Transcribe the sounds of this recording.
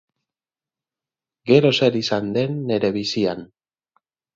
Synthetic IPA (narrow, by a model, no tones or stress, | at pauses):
ɡe̞ɾo̞se̞ɾisand̪e̞nːe̞ɾe̞βisian